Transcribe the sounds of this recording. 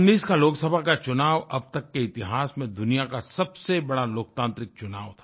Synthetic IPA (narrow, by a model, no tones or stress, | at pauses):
nːiːskaloːksəbʱakat͡ʃʊnaːʋɐb̚t̪ɐkːeɪt̪ɪɦaːsmẽd̪ʊnijakasɐbsebɐɽaloːkt̪ãːnt̪ɾɪk̚t͡ʃʊnaːʋt̪ʰaː